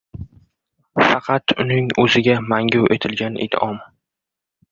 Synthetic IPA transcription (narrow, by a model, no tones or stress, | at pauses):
fɑqʰɑt̪ʰʊnɪŋɵzɪɡʲamaŋɡʲʊwʔe̞t̪ʰɪlɡʲanʔɪ̰d̪ʔɒm